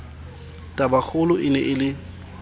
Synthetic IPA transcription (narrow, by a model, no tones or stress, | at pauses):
tʼabak͡xʰʊlʊʔɪnɛʔɪlɪ